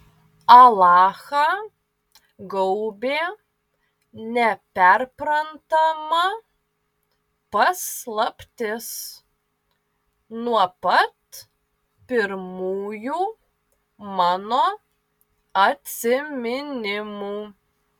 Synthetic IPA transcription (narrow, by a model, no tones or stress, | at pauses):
ɐlˠɑːxɑː | ɡɐʊbʲeː | nʲɛpʲɛɾpɾɐnt̪ɐmɐ | pɐslˠɐpʲt̪ʲɪs | nuɔpɐt̪ | pʲɪɾmuːjuː | mɑːnoː | ɐt̪ʲsʲɪmʲɪnʲɪmuː